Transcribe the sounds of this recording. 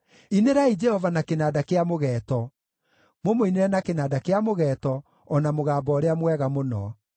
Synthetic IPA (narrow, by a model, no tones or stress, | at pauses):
ineɾaid͡ʒɛhɔvanakenaːdakeamoɣɛːtɔ | momoineɾɛnakenaːdakeamoɣɛːtɔː | namoɣaːbɔːɾeamwɛɣamonɔ̰